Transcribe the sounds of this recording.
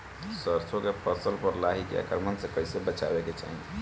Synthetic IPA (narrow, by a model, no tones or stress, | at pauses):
səɾt͡ʃʰokepʰəsəlpəɾlaɦikḛa̰kɾmənsẽkəɪsebət͡ʃa̰beket͡ʃa̰ɦi